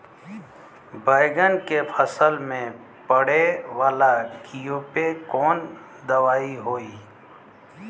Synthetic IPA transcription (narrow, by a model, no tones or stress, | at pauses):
bəɪɡənkepʰəsəlmẽ | pəɽeʋaːlakijoːpekɔːn | d̪əʋaːiɦoːiː